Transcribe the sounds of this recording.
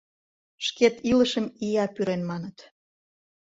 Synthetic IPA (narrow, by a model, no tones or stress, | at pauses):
ʃket̪iləʃəmijɑpyɾenmɑnət̪